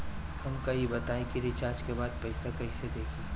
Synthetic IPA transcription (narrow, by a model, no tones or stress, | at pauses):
hɐmkɐibɐt̪aːẽkiɾɪt͡ʃaːɾd͡ʒkebaːd̪̚pɐɪsakɐised̪eːkʰiː